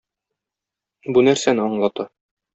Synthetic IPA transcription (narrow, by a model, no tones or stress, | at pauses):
bunæɾsænɘɒɴlˠɑt̪ɑ